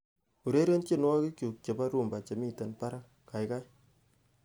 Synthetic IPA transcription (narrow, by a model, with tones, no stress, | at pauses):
u˨ɾe˦ɾe˦nt͡ʃe˦nwa˦ki˦kju˨k̚t͡ʃe˨ba˦ɾu˦˨mba˨t͡ʃe˨mi˦tɛ˨npa˦ɾa˦ | ka˨jka˦j